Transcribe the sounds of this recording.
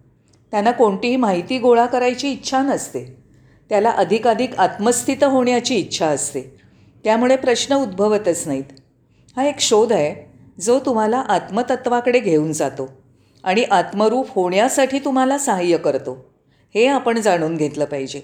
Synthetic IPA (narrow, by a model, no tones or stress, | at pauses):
t̪janːakoɳʈiɦiːmaɦit̪iːɡoɭakəɾajt͡ɕiːtːɕʰanəst̪e | t̪jalaʔəd̪ʱikad̪ʱikat̪məst̪ʰit̪ɦoɳjat͡ɕiːtːɕʰaəst̪e | t̪jamuɭepɾəɕnəud̪bʱəʋət̪ət͡snaɦit̪ | haekɕod̪ʱae | d͡zot̪um̤alaʔat̪mət̪ət̪ʋakəɽeɡʱeuːnd͡zat̪o | aɽ̃iʔat̪məɾuːphoɳjasaʈʰiːt̪um̤alasaɦəjːəkəɾt̪o | heapəɳd͡zaɽ̃uːnɡʱet̪ləːpaɦid͡ʑe